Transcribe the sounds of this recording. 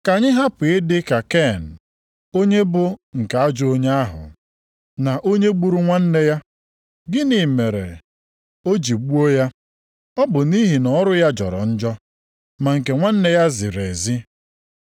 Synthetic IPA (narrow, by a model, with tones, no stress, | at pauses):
ka˨ɲɪ˦ɦa˦pe˨e˦dɪ˦ka˨ke˦˨n̩˨ | o˦ɲe˦bʊ˦ŋ̩˨ka˨a˦d͡ʒʊ˦o˦ɲe˦a˦ɦʊ̰˨ | na˨ʔo˦ɲe˦ɡ͡bu˦ɾu˦ŋʷa˦n̩˦ne˦ja˦ | ɡɪ˦ni˨me˨ɾḛ˨ | o˦d͡ʒi˨ɡ͡bu˦o˦ja˦ | ɔ˦bʊ˨ni˦ɦi˨nɔ˦ɾʊ˦ja˦d͡ʒɔ̰˨ɾɔ̰˨n̩˦d͡ʒɔ˦ | ma˨ŋ̩˨ke˨ŋʷa˦n̩˦ne˦ja˦zɪ˨ɾe˨zi˦